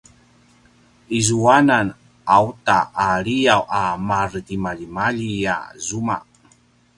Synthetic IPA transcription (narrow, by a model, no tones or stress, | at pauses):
izuanan | autaʔːɾijawʔamardimaʎimaʎija̰zuma̰ʔ